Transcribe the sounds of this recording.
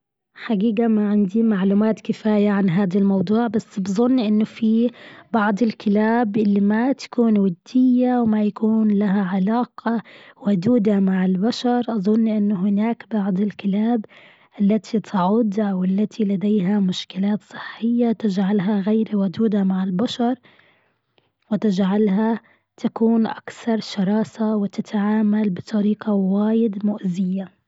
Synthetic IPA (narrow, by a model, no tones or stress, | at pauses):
ħaɡiːɡamaʕɪnd̪imaʕluːmaːt̪kɪfaːjaʕanɦaːd̪almɑwd̪ˤuːʕbasːbɨzˤʊnːʔɪnːʊfibɑʕd̪ˤɪlkɪlaːbʔɪlːimat̪ḁkuːnwad̪ːɪjːawmajakuːnlaɦaʕalaːqɑwad̪uːd̪amaʕɪlbaʃɑɾˤʔɑðˤʊnːʔɪnːʊɦɪnaːkbɑʕd̪ˤɪlkɪlaːb | ʔɪlːat̪ʰit̪ʰɪʕʊd̪awɪlːat̪ʰilad̪ejɦamʊʃkɪlaːt̪sˤɨ̥ħːɪjːat̪ɪd͡ʒʕalɦaɣajɾwʊd̪uːd̪amaʕɪlbaʃɑɾˤ | wɪt̪ɪd͡ʒʕalɦa | t̪ʰakuːnʔa̰kθɑɾˤʃɑɾˤɑːsawɪt̪at̪ʕaːmalbɨt̪ˤɑɾiːqawaːjɪd̪mʊʔzɪjːa